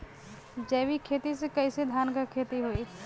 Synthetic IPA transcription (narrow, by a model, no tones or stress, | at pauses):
d͡ʒɛːʋikʰeːt̪isekɐised̪ʱaːnkakʰeːt̪iɦoiː